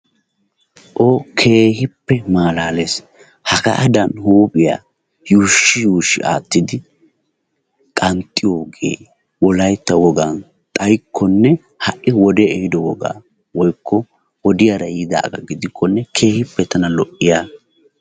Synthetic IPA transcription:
ʔokʰe̞ːhɪpːɛmaːlaːleːs | hɐkɐ̰ʔɐd̪ɐnhuːpʼɪja̰ː | juːʃːɪjuːʃːɪ̰ʔa̰ːt̪ːɪd̪ɪ | kʼɐnt̪ʼːɪjoːɡḛː | wɔlɐjt̪ːɐwɔɡɐn | t̪ʼɐjkʰːɔnːɛ | hɐʔɪwɔd̪ɛɛhɪd̪ɔwɔɡa̰ː | wɔjkʰːɔ | wɔd̪ɪjaɾɐjɪd̪a̰ːɡɐ̰ɡɪd̪ɪkʰːɔnːɛkʰe̞ːhɪpːɛt̪ɐnɐlɔʔːɪjaː

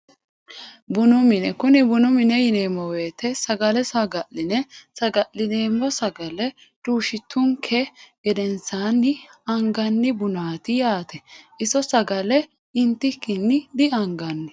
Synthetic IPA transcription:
bʊnʊmɪnɛkʊnɪbʊnʊmɪnɛjɪneːmːɔweːt̪ʰːɛsɐɡɐlɛsɐɡɐlːɪnɛsɐɡɐʔɪneːmːɔsɐɡɐlɛ | tʼuːʃɪt̪ʰːʊŋkʰɛɡ̥ɛd̪ɛnsaːnːɪɐŋɡɐnːɪbʊnaːt̪ɪjaːt̪ɛʔɪsɔsɐɡɐlɛ | ɪnt̪ːɪkːɪnːɪd̪ɪɐŋɡɐnːɪ

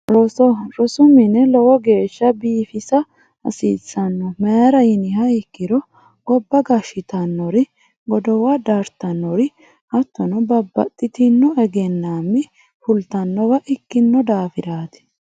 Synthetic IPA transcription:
ɾɔsɔɾɔsʊmɪnɛlɔwɔɡe̞ːʃːɐbiːfɪsɐ | ɐ̰siːsːɐnːɔmɐjaɾɐjɪnɪhɐɪkːɪɾɔ | ɡ̥ɔbːɐɡɐʃɪt̪ɐnːɔɾɪ | ɡɔd̪ɔwɐd̪ɐɾt̪ɐnːɔɾɪ | ʔɐt̪ːɔnɔbɐbːɐ̰t̪ʼːɪt̪ɪnːʊʔɛɡɛnːaːmːɪ | fʊlt̪ɐnːɔwɐʔɪkːɪnːɔd̪aːfɪɾaːt̪ɪ̥

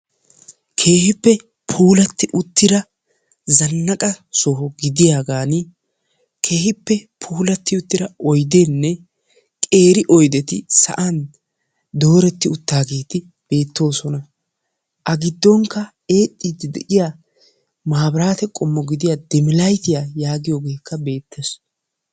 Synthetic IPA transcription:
kʰe̞ːhɪpːɛ | pʰuːlɐt̪ːɪʔʊt̪ːɪɾɐ | zɐnːɐkʼɐsɔɦɔɡɪd̪ɪjaːɡaːnɪ | kʰe̞ːhɪpːɛpʰuːlɐt̪ːɪʊt̪ːɪɾɐɔjd̪enːɛ | kʼe̞ːɾɪʔɔjd̪ɛt̪ɪsɐ̰ʔan | d̪o̞ːɾɛt̪ːɪʊt̪ːaːɡe̞ːt̪ɪ | b̥e̞ːt̪ːo̞ːsɔnɐ | ʔɐɡɪd̪ːɔŋkːɐ | e̞ːt̪ʼːiːd̪ɪd̪ɛ̰ʔɪjaː | maːbɾaːt̪ɛkʼɔmːɔɡɪd̪ɪjad̪ɛmɪlɐjt̪ɪjajaːɡɪjoːɡe̞ːkʰːɐbe̞ːt̪ʰːes

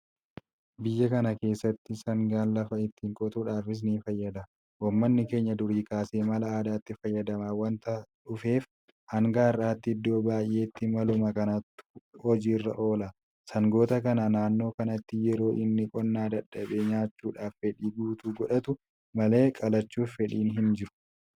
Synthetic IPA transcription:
bɪjːɐkɐnɐke̞ːsːɐt̪ːɪsɐŋɡaːnlɐfɐɪt̪ːiːŋkʼɔt̪uːᶑaːfɪs̬niːfɐjːɐd̪ɐ | wɔmːɐnːɪke̞ːɲːɐd̪ʊɾiːkaːseːmɐlɐaːd̪aːt̪ːɪfɐjːɐd̪ɐmaːwɐnt̪ɐᶑʊfe̞ːf | hɐŋɡaːɪrːaːt̪ːɪɪd̪ːo̞ːbaːjʔe̞ːt̪ːɪmɐlʊmɐkɐnɐt̪ːhɔd͡ʒiːrːɐ̰ʔo̞ːlɐ | sɐŋɡo̞ːt̪ɐkɐnɐnaːnːo̞ːkɐnɐt̪ːɪjɛɾo̞ːʔɪnːɪkʼɔnːaːd̪ɐᶑːɐbe̞ːɲaːt͡ʃːuːᶑaːffɛᶑiːɡuːt̪uɡɔᶑɐt̪ʊ | mɐle̞ːkʼɐlɐt͡ʃːuːffɛᶑiːnɦɪnd͡ʒɪɾʊ̥

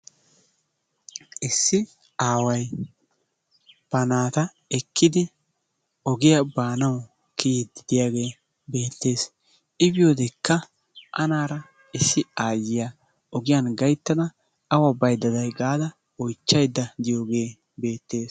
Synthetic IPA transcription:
ʔɪsːɪ | aːwɐj | b̥ɐnaːt̪ɐ | ɛkʰːɪd̪ɪ | ɔɡɪjabaːnɐw | kʰiːd̪ɪd̪ɪjaːɡe̞ː | be̞ːt̪ːe̞ːs | ɪbɪjoːd̪ɛkːɐ | ʔɐ̰naːɾɐ | ɪsːɪaːjːɪja | ɔɡɪjɐnɡɐjt̪ːɐd̪ɐ | ɐwɐbɐjd̪ɐd̪ɐjɡaːd̪ɐ | ɔjt͡ʃːɐjd̪ːɐd̪ɪjoːɡe̞ː | be̞ːt̪ːe̞ːs

